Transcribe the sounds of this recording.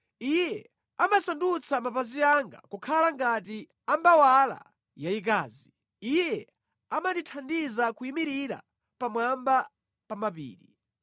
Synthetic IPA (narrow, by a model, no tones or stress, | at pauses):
ijɛ | amasandut͡sʰamapaziaŋɡa̰kukʰalaŋɡati | ambawala̰ | jaik̬aːzi | ijjɛ | amanditʰandizakuimiɾiɾa̰ | pamwamba | pamapḭːɾi